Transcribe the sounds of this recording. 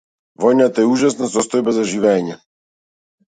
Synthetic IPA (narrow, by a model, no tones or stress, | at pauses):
vɔjnat̪ɔjɛuʒasnasɔst̪ɔjbɛzaʒivʲaɲa